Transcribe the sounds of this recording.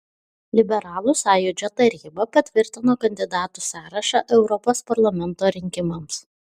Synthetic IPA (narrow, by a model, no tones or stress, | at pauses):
lʲɪbʲɛɾɑːlˠʊsɑːjʊd͡ʒʲot̪ɐɾʲiːbɐpɐt̪ʲʋʲɪɾʲt̪ʲɪnoːkɐnʲd̪ʲɪd̪ɑːt̪usɑːɾɐʃɐʔɛʊɾɔpoːspɐɾlˠɐmʲɛnt̪oːɾʲɪŋʲkʲɪmɐms